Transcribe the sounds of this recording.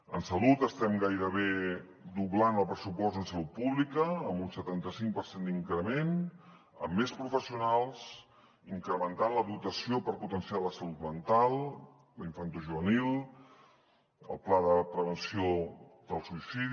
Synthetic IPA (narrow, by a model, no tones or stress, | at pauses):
ənsəlut̪əst̪ɛmɡajɾəβe | d̪uβlanəlˠpɾəsupɔztd̪ənsəlut̪̚puβlikəːmbunsət̪ant̪əsiŋpəɾsend̪iŋkɾəmen | ə̰mːespɾufəsiunalˠs | iŋkɾəmənt̪anləðut̪əsiopəɾput̪ənsialəsəlut̪mənt̪alˠ | liɱfant̪uʒuβənilˠ | ə̰lˠplaðəpɾəβənsioðəlˠsuisið